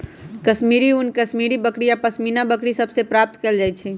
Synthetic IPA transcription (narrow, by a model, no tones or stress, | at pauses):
kəʃmiːɾiʊnkəʃmiːɾibəkɽijapəsminabəkɽisəbsepɾaːp̚t̪keld͡ʒaːjt͡ʃʰɛ